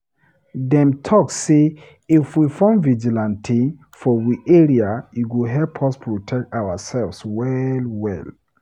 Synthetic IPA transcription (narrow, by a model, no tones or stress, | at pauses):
dɛ̃mtʰɔkse | ifwifɔ̃mvid͡ʒilãntʰĩ | fɔwiʔeɹiajuɡuɦɛlpʰɔspʰɹotʰɛk̚tawasɛlfswɛlwɛ̰l